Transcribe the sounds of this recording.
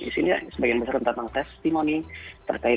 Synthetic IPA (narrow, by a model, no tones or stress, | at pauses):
ḭsinila̰səbaɡɛnbəsaɾənt̪anaŋt̪ɛst̪imonit̪ə̰rkaɪ